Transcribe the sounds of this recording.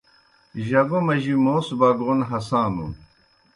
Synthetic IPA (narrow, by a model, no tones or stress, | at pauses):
ʑɐɡomɐʑimoːsbɐɡonɦɐsãːnṵn